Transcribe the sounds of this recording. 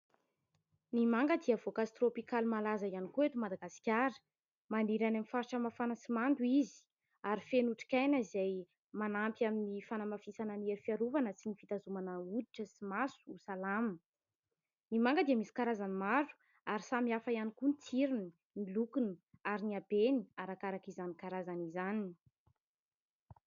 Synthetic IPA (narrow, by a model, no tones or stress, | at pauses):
nimaŋɡəd̪iəvokasit̪ropikalimalazajanikuet̪umad̪aɡasi̥kʲaɾə̥ | maniɾanamifaɾʈ͡ʂəmafanəsimand̪uizi̥ | aɾifenuʈ͡ʂi̥kʲajnəizaj | manampiaminifanamafisanənieɾifiaɾuvanəsinifit̪azumanəud̪iʈ͡ʂəsimasu̥usalam | nimaŋɡəd̪iamisi̥kaɾazanimaɾu̥ | aɾisamiafaijanikunt͡siɾini | nilukuniaɾiniabeniaɾakaɾakizanikaɾazanizanini